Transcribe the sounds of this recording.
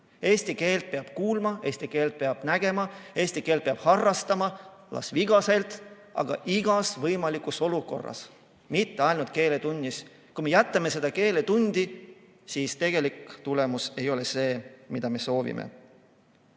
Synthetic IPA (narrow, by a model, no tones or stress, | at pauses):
e̞ːsʲt̪ike̞ːlt̪̚peɑb̥kuːlmɑe̞ːsʲt̪ike̞ːlt̪̚pe̞ɑb̥næɡ̥e̞mɑe̞ːsʲt̪ike̞ːlt̪̚peɑb̥hɑrːɑst̪ɑmɑlʔɑ̰sviɡ̥ɑse̞lt̪ˑ | ʔɑ̰ɡ̥ɑ̰ʔiɡ̥ɑsvɤjmɑlikuso̞luko̞̰rːɑ̰s | mit̪ːe̞ɑjlnut̪ke̞ːle̞t̪unʲːis | kume̞jæt̪ːˑɑme̞se̞d̪̥ɑke̞ːlet̪unʲd̪̥i | siːst̪e̞ɡ̥e̞likt̪ule̞muse̞jo̞le̞se̞ːmid̪̥ɑme̞so̞ːvḭmḛ